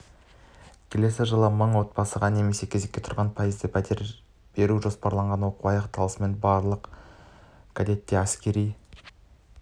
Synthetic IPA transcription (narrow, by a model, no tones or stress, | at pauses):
kʲʰe̞le̞sɪʒəlˠəməɴwo̞t̪̚bɑsəʁɑne̞me̞se̞kʲʰe̞ze̞kʲːe̞t̪ʰʊɾʁɑnpʰɑjəzd̪əb̪e | b̥e̞ɾuʒo̞spɑɾlˠɑɴʁɑnwo̞quɑjɑqt̪ɑlˠəsəme̞nbɑɾlˠəq | kʰad̪e̞t̪ːe̞æskʲe̞ɾij